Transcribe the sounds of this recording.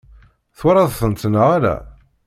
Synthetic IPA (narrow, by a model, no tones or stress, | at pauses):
θwaɾˤɑðθənt̪nəʁaɾæ̰